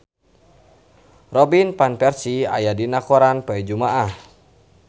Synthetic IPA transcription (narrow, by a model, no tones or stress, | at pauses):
rɔbinpanpɛrsia̰jadinakoɾanpaid͡ʒumaʔah